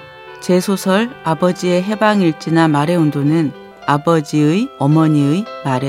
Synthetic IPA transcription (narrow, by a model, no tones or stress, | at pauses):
t͡ɕe̞sʰosʰʌɭabʌd͡ʑie̞ɦe̞baŋiɭt͡ɕ͈inamaɾe̞undonɯn | abʌd͡ʑiɯjʌmʌɲiɯimaɾe